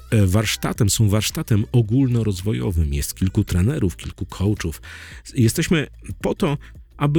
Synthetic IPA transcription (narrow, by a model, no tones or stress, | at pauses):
vaɾʂt̪at̪ɛmsɔ̃w̃vaɾʂt̪at̪ɛmɔɡulnɔɾɔzvɔjɔ̰vɘmjɛ̰st̪kʲilkut̪ɾɛnɛɾufkʲilkukʰɔwt͡ʂufjɛst̪ɛɕmɘ | pɔt̪ɔ | ʔabɘ